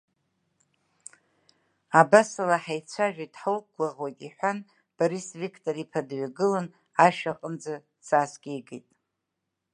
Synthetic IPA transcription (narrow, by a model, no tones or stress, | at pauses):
abasalaħajt͡sʷʰaʒᶣajtʼħolkʷʰʼlaʁwojtʼiħʷan | b̥aɾisvikʰʼtʰʼoɾipʰadɥaɡɨlan | aʃᶣaqʼənd͡za | t͡sʰaːsɡʲejɡejtʼ